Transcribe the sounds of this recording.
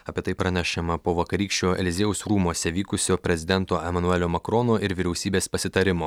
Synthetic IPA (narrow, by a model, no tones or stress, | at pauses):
ɐpʲeɛt̪ɐɪpɾɐnʲæʃʲɛmɐpoːʋɐkɐɾʲiːkʃʲt͡ʃʲoːʔɛ̰lʲɪzʲeːʊsɾuːmoɔsʲɛʋʲiːkʊsʲoːpʲɾʲɛzʲɪd̪ʲɛnt̪oːʔɛmɐnuɛlʲoːmɐkɾɔnoːʔɪɾʋʲiɾʲɛʊsʲiːbʲeːspɐsʲɪt̪ɐɾʲɪmoː